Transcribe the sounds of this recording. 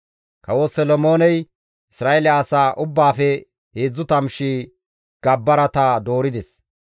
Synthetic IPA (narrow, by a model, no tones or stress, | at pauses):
kɐwosɔlɔmo̞ːnɛj | ɪsɾaːelɪaːsaːʔʊbːaːfɛ | heːd͡zːʊt̪ɐmʃi | ɡ̥ɐbːɐɾɐt̪ɐd̪o̞ːɾɪd̪ɛs